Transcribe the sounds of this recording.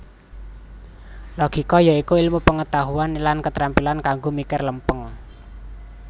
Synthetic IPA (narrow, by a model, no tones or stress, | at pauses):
lɔɡ̥i̤kɔjaikuilmupəŋət̪aɦuanlankət̪ɾampilankaŋɡomikɪrləmpəŋ